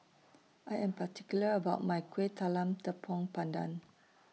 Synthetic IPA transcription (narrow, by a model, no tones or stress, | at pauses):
ʔajɛ̃mpatʰikjuləəbaʊt̚majkʰwet̪ʰalãmt̪əpʰɔ̃ŋpãndã̰n